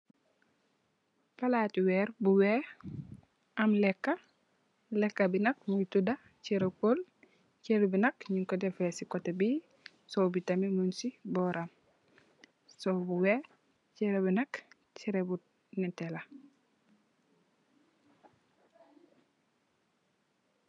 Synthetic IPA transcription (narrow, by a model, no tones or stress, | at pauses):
falatiwɛːɾbuwɛ | amlɛkːa | lɛkːabinɐk̚mutuda | ciɾekol | ceɾbinɐkɲiŋkɔdɛfesikɔtebi | sowbitamimunsibɔɾam | sobuwe | t͡ʃɛɾebinɐk | t͡ʃiɾebu | nɛtɛla